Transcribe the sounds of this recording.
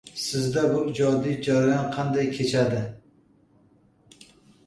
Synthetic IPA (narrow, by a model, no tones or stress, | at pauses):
sɪzd̪abʊd͡ʒɒd̪id͡ʒaɾjɒnqʰɑnd̪ajkʲʰet͡ʃʰad̪ɪ